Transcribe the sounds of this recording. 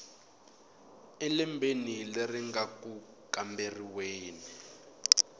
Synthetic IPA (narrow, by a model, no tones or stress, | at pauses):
ɛlimbʱenilɛriŋɡaku | kamberiweːni